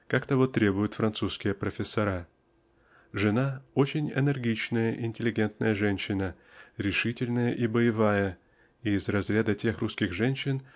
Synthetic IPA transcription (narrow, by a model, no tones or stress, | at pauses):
kakt̪ɐvot̪ːɾʲe̞bʊjʊt̪fɾɐnt̪suskʲɪjəpɾəfʲɪsːɐɾa | ʐɨnaot͡ɕɪnʲɛ̰nʲərɡʲit͡ɕnəjəʔɪnʲtʲɪlʲɪɡʲe̞nt̪nəjəʐɛnʲɕːɪnə | ɾʲɪʂɨtʲɪlʲnəjəʔibəjɪvajə | iːzrɐzɾʲad̪ətʲe̞xruskʲɪxʐɛnʲɕːɪn